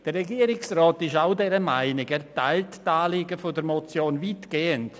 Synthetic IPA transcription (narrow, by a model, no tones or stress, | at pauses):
d̥əɾrɛɡiːəɾɪksrɔːtɪʃaʊdɛɾəmaɪnɪkɛɾtaɪlttaːliɡəfodəɾmot͡sjoːnvitɡ̥eːənt